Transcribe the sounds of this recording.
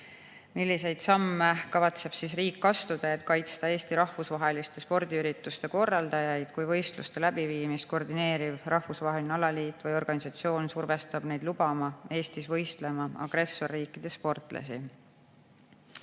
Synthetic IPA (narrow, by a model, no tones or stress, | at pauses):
milːise̞jd̪̥sɑmːekɑvɑt̪se̞b̥sisriːkːɑst̪ud̪̥ɑet̪ˑkɑjt̪st̪ɑe̞ːst̪iɾɑhvusvɑɦe̞list̪e̞spo̞rd̪iyɾit̪ːˑust̪e̞ko̞rːɑld̪ɑjɑjd̪̥kujvɤ̞jst̪lṵst̪e̞læb̥iviːmist̪̚ko̞rd̪ine̞ːɾivrʔɑhvusvɑɦelʲnɑlɑliːt̪ːˑvɯjo̞rɡ̥ɑnisɑt̪sio̞ːnsurve̞st̪ɑb̥ne̞jd̪̥lub̥ɑmɑe̞ːst̪isvɤ̞jst̪le̞mɑɑ̰ɡ̥re̞sːo̞rːiːkːˑid̪̥e̞spo̞rt̪ˑlḛsḭ